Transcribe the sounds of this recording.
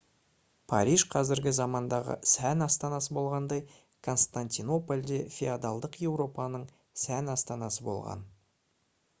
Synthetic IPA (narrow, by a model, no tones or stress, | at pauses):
pʰɑ̰ɾijʒqʰɑzɪɾɡʲɪzɑmɑnd̪ɑʁə̰sænɑst̪ɑnɑsəbo̞lˠʁɑnd̪ɑj | kʰo̞nst̪ant̪ino̞polʲd̪efʲiad̪ɑlˠd̪əqje̞wɾo̞pɑnəɴ | sænɑst̪ɑnɑsəbo̞̰lˠʁɑ̰n